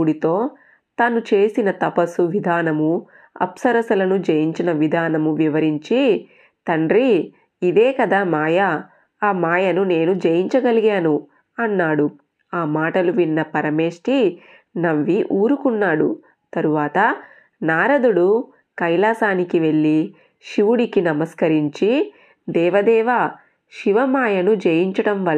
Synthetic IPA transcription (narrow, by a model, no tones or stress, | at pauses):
uɽit̪o̞ː | t̪ɐnut͡ʃe̞ːsinɐt̪ɐpɐsuʋid̪ʱaːnɐmu | ɐ̰psɐɾɐsɐlɐnud͡ʒɐjiɲt͡ʃinɐʋid̪ʱaːnɐmuʋiʋɐɾiɲt͡ʃi | t̪ɐɳɖɾi | id̪eːkɐd̪amaːjaː | maːjɐnune̞ːnud͡ʒɐjiɲt͡ʃɐɡɐliɡaːnu | ɐnːaːɽu | aːmaːʈɐluʋinːɐpɐɾɐme̞ːʂʈi | nɐʋːiʔuːɾukunːaːɽṵ | t̪ɐɾuʋaːt̪ɐ | naːɾɐd̪uɽu | kɐjlaːsaːnikiʋe̞ɭːi | ʃiʋuɽikinɐmɐskɐɾiɲt͡ʃi | d̪ɛːʋɐd̪ɛːʋɐ | ʃiʋɐmaːjɐnud͡ʒejiɲt͡ʃɐɽɐmʋɐl